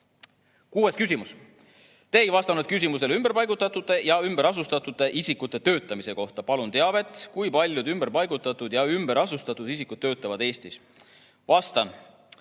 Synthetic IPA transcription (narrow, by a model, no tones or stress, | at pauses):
kuːe̞skys̬ʲimus | t̪e̞ːjvɑst̪ɑnud̪̥̚kys̬ʲimus̬e̞lymb̥e̞ɾpɑjɡut̪ːˑɑt̪ːˑut̪ːˑe̞jɑymb̥eɾɑsust̪ɑt̪ːˑut̪ːˑe̞ʔisikut̪ːˑe̞t̪ø̞ːt̪ːˑɑmise̞ko̞ht̪ɑpɑlunt̪e̞ɑve̞t̪ːˑkujpɑlʲjud̪ymbeɾpɑjɡ̥ut̪ːˑɑt̪ːˑud̪̥jɑymbeɾɑsust̪ɑt̪ːˑud̪̥isikːˑud̪̥̚t̪øːt̪ːˑɑvɑd̪e̞ːst̪is | vɑst̪ɑn